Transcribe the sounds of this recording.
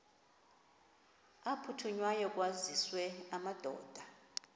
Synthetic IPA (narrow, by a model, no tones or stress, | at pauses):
apʰutʰuɲwajɔk̬ʼwaziswɛamad̥ʱɔ̰ːd̥ʱa